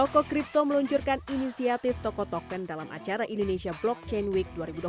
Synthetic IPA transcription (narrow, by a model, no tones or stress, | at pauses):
t̪ɔkɔkɾip̚t̪oməluɲt͡ʃʊrkaninisiat̪ɪft̪ɔkɔt̪ɔkɛndalamʔa̰t͡ʃaɾaʔindonesiablɔk̚t͡ʃenwik̚duaɾibud